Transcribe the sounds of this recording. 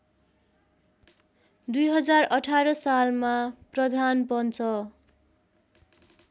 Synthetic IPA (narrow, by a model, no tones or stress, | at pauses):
d̪ujɦʌd͡zarʌʈʰaɾʌsalmaprʌd̪ʱanpʌnt͡sʰʌ